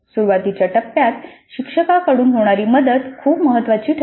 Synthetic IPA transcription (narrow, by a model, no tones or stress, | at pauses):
suɾʋat̪it͡ɕjaʈəpːjat̪ɕikʂəkakəɽuːnɦoɽ̃aɾiːməd̪əd̪kʰuːpməɦət̪ːʋat͡ɕiːʈʰ